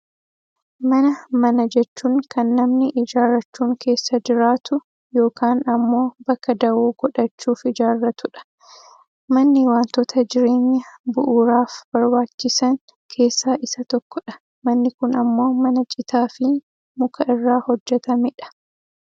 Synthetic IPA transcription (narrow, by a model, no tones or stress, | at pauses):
mɐnɐmɐnɐd͡ʒɛt͡ʃːuːŋkɐnːɐmnɪʔɪd͡ʒaːɾɐt͡ʃːuːŋkʰe̞ːsːɐd͡ʒɪɾaːt̪ʊ | jo̞ːkaːnɐmːo̞ːbɐkːɐd̪ɐwoːɡ̥ɔᶑɐt͡ʃːuːfɪd͡ʒaːrːɐt̪ʊᶑɐ̥ | mɐnːɪwaːnt̪ɔt̪ʰɐd͡ʒɪɾeːɲːɐbʊʔuːɾaːfbɐɾbaːt͡ʃːɪsɐŋ | kʰe̞ːsːaːʔɪsɐt̪ɔkːɔᶑɐ̥ | mɐnːɪkʊnɐmːo̞ːmɐnɐt͡ʃʼɪt̪aːfɪ | mʊkʰɐʔɪrːaːhɔd͡ʒːɛt̪ɐmɪᶑɐ̥